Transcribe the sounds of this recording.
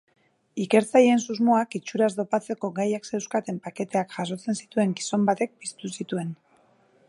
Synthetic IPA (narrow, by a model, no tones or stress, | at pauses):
ike̞ɾt͡sajeensuzmo̞akit͡ʃuɾazd̪o̞pat͡se̞ko̞ɡajaksewskat̪e̞mpake̞t̪e̞akʝas̬o̞t͡se̞nsit̪ue̞ŋɡiso̞mbat̪e̞k̚pist̪usit̪ue̞n